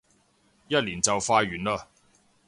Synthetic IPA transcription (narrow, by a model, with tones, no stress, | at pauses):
jɐ˥t̚liː˨˩nt͡sɐ˨wfaː˧ɥyː˨˩nlaː˧